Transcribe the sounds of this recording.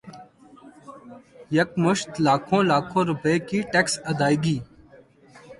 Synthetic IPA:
jəkmʊʃt̪laːkʰõːlaːkʰõːɾʊpəeːkiːʈeksəd̪aːiɡiː

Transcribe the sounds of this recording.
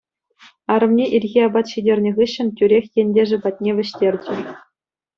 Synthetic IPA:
ɑɾɤ̆mnʲeʔilʲɣʲiɑbɑt̪ɕidʲerʲnʲɘ̆ʁɯɕːɘ̆ntʲyɾʲexʲjenʲdʲeʐɘ̆bɑt̚ʲnʲeʋʲɘ̆ɕtʲerʲd͡ʑɘ̆

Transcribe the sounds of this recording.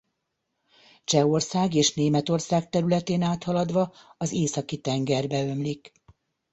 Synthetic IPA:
t͡ʃɛo̞rsaːɡeːʃneːmɛt̪o̞rsaːk̚t̪ɛɾylɛt̪eːnaːt̪hɒlɒd̪ʋɒɒzeːsɒkit̪ɛŋɡɛrbɛø̞mlik

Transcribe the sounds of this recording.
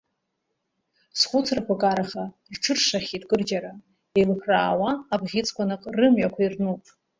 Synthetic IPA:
sχʷʊt͡sʰrapʷʰakʼaɾaχa | rʈ͡ʂʰɨrʂaχʲitʼkʼɨrd͡ʒaɾa | elħraːwaːbʁʲit͡sʼkʷʰanɨqʼrɨmɥakʷairnupʼ

